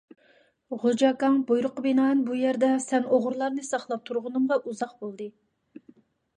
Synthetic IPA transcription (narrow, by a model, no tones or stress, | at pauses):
ʁod͡ʒɑkɑŋbojɾʊqəbinɑːɨnbujæɾd̪ɛsɛnoʁʊɾlˠɑɾnɨsɑχlˠɑp̚t̪ʰuɾʁʊnɨmʁɑʔuzɑq̚bolˠd̪ɨ